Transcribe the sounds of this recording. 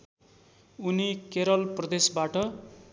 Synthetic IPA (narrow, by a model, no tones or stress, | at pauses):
unikeɾʌlprʌd̪esbaʈʌ